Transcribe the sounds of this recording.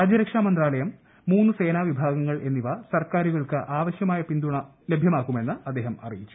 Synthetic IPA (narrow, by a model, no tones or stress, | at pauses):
aːd͡ʑɐɾɐkʂamɐnd̪raːlɐjɐmː | uːnːɨse̞ːnaːʋibʱaːɡɐŋːɐɭʔe̞nːiʋɐsɐrkaːɾuɣɐɭkɨʔaːʋɐɕjɐmaːjɐpind̪uɳɐ | lebʱjɐmaːkːume̞nːɨʔɐd̪ːe̞ːɦɐmɐ̰rijit͡ɕːu̥